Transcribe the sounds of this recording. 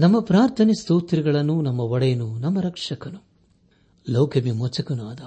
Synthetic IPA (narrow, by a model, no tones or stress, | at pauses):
nɐmːɐpɾaːɾt̪ʰɐnist̪uːt̪ɾiɡɐɭɐnːunɐmːɐɔɽɐjɐnunɐmːɐɾɐkʂɐkɐnu | lɐwkʰɐmimot͡ʃɐkɐnuɐd̪ɐ